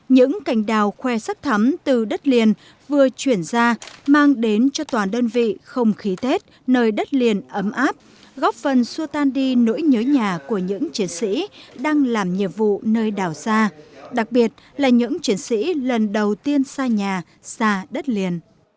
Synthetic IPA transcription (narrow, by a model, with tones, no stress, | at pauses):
ɲɨ̰˧˥ŋka˧˩jŋ̟ɗaː˨˩wxwɛ˧saː˦˥k̚t̪ʰə˨˦mt̪ɨ˨˩ɗə˦˥t̚li˨˩ən | vɨ˨˩ət͡ɕwi˧˩ənzaː˧maː˧ŋɗe˨˦nt͡ɕɔ˧t̪waː˨˩ɗəː˧nvḭ˧˨xə˧wŋ͡mxi˨˦t̪ʰe˦˥t̚ | nəː˧jɗə˦˥t̚li˨˩ənʔə˨˦mʔaː˦˥p̚ | ɣɔ˦˥p̚fə˨˩nsu˧ət̪aː˧nɗi˧no̰˧˥jɲəː˨˦ɲaː˨˩ku˧˩əɲɨ̰˧˥ŋt͡ɕi˨˦ənsḭ˧˥ɗaː˧ŋlaː˨˩mɲḭ˧˨əmvṵ˧˨nəː˧jɗaː˨˩wsaː˧ɗa˨˩k̚ɓi˨˩ət̚laː˨˩ɲɨ̰˧˥ŋt͡ɕwi˨˦ənsḭ˧˥lə˨˩nɗə˨˩wt̪i˧ənsaː˧ɲaː˨˩ | saː˧ɗə˦˥t̚li˨˩ən